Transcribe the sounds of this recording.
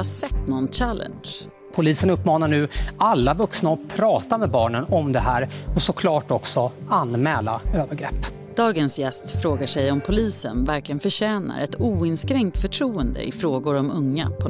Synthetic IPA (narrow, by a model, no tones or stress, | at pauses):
hasɛt̪ːnɔnɕælə̰nʂ | pʰʊliːsənɵpːmɑːnaɳʉ̟ːalːavɵksnaɔpʰɾɑːt̪amɛbɑːɳənɔmd̪ɛɦæːɾɔsɔkʰlɑːʈɔksɔanmɛːlaøːvəɾɡɾɛ̰pː | d̪̥ɑːɡənsjɛst̪fɾoːɡaʂɛjɔmpʰʊliːsə̰nvæɾklɪɡənfœɕɛːna̰ɾɛt̪uːɪnskɾɛŋt̪fœʈʰɾuːənd̪ə̰ʔɪ̰fɾoːɡʊɾɔmɵŋːa̰pʰɔ